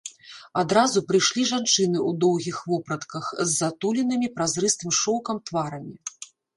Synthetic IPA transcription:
ad̪ɾazupɾɨjʂlʲiʐant͡ʂɨnɨud̪ɔwɣʲixvɔpɾɐt̪kɐxzːat̪ulʲɛnɨmʲipɾazɾɨst̪ɨmʂɔwkɐmt̪vaɾɐmʲi

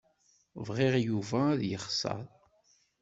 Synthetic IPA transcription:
vʁeʁjuvæðjəχsɑ̰ɾˤ

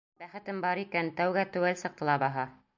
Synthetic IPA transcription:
bæχɘ̆t̪ɘmbɑɾikænt̪æwɡæt̪ɵ̆wælsɤ̆q̚t̪ɤ̆lˠɑbɑɦɑ

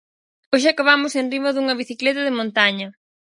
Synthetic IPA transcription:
oʃ̬ɪakaβamʊsenrimɐðuŋɐβiθiklɛt̪ɐðɪmõnt̪aɲɐ

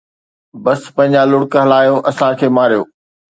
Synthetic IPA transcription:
bɐspɐ̃ɦɪ̃ɲd͡ʑalʊɽkɦɐlaːjoʔɐsãkʰeːmaːɾijoː

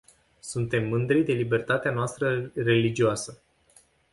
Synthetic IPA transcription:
sunt̪e̞mːɨnd̪ɾijd̪e̞libe̞rt̪at̪eanoast̪ɾəre̞lid͡ʒioasə

